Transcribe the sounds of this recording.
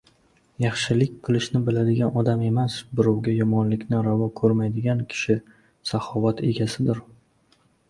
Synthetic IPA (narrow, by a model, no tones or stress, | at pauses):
jɑχʃɪlɪkʲqʰɨlˠɪʃnɪbɪlad̪ɪɡʲanɒd̪ame̞masbʊɾɒwɡʲajɒmɒnlɪkʲnɪɾavɒkʰɵɾmajd̪ɪɡʲankʲʰɪ̥ʃɪ | sahɒvat̪ʰe̞ɡʲasɪd̪ɪɾ